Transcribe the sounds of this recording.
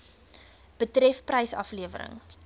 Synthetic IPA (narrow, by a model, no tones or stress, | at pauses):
b̥ətrɛfprɛjsɐ̰fliəvə̰ɾə̰ŋ